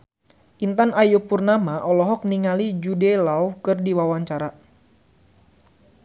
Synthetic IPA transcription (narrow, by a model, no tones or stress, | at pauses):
ʔint̪anajupurnamaʔɔlɔɦɔk̚niŋalid͡ʒudɛlaukɨrdiwawaɲt͡ʃaɾa